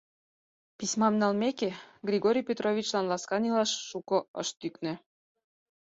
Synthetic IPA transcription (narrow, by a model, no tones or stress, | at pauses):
pismɑmnɑlmekeɡrʲiɡoɾʲijpʲet̪rovʲit͡ɕlɑnlɑskɑnilɑʃːukɤ̆ə̰ʃt̪yknĕ